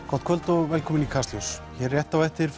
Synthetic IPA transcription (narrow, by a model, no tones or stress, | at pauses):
kʰɔt̪̚kʰvœlt̪ɔɣvɛlkʰɔːmɪnikʰaslɔws | çɛrjɛht̪awɛht̪ɪɾ̥f